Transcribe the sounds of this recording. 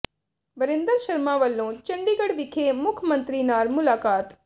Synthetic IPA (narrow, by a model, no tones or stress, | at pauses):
ʋəɾɪ̃nd̪əɾʃɐɾmãːʋəlːõːt͡ʃə̃ɳɖiːɡəɽʋɪkʰeːmʊkʰmə̃nt̪ɾiːnaːɾmʊlaːkaːt̪